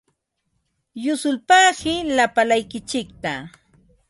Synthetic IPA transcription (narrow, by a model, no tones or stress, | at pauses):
jʊsʊlpaːɢɪlapalajkɪt͡ʃɪk̚t̪a